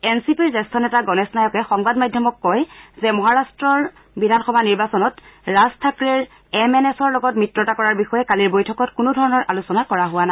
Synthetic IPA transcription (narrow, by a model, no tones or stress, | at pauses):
ɛnsipiɹzɛstʰɔnɛtaɡɔnɛsnajɔkɛxɔŋbadmajdʱjɔmɔkːɔjzɛmɔɦaɹastɹɔɹ | bidʱanxɔbʱaniɹbasɔnɔtɹastʰakɹɛɹ | ɛmɛnɛsɔɹlɔɡɔtmitɹɔtakɔɹaɹbixɔjɛkaliɹbojtʰɔkɔtkʊnʊdʱɔɹɔnɔɹʔalusɔnakɔɹaɦʊwana